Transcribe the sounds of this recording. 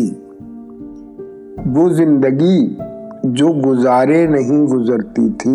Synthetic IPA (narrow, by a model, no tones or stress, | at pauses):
i | ʋoːzɪ̃nd̪əɡi | d͡ʒoːɡʊzaːɾenɐɦĩɡʊzəɾt̪it̪ʰiː